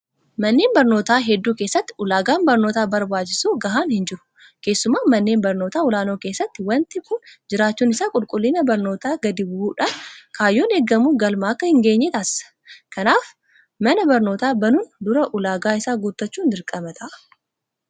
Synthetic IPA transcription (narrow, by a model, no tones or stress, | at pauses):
mɐnːe̞ːnbɐɾno̞ːt̪aːɦɛd̪ːuːkeːsːɐt̪ːɪʊlaːɡaːnbɐɾno̞ːt̪aːbɐɾbaːt͡ʃːɪsuːɡɐɦaːnhɪnd͡ʒɪɾʊ̥ | ke̞ːsːʊmaːmɐnːe̞ːmbɐɾno̞ːt̪aːʊlaːno̞ːke̞ːsːɐt̪ːɪwɐnt̪ɪkʊnd͡ʒɪɾaːt͡ʃːuːnɪsaːkʼʊlkʼʊlːiːnɐbɐɾno̞ːt̪aːɡɐd̪ɪbʊuːᶑaːnkʰaːjːo̞ːneːɡːɐmuːɡɐlmaːɐkːɐhɪŋɡe̞ːɲːɛt̪aːssɐ̥ | kɐnaːf | mɐnɐbɐɾno̞ːt̪aːbɐnuːnd̪ʊɾɐʔʊlaːɡaːɪsaːɡʊt̪ːɐt͡ʃːuːnd̪ɪɾkʼɐmɐt̪ʰɐʔ